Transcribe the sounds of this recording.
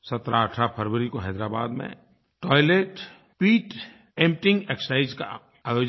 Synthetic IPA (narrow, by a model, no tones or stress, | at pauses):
sət̪ɾaəʈʰɾapʰəɾwəɾikoɦɛːd̪ɾaːba̰ːd̪mḛ̃ | ʈɔːɪleːʈ | piːʈ | ẽmʈɪ̃ŋɡeksaːɪd͡ʒka̰ | aːjoːd͡ʒ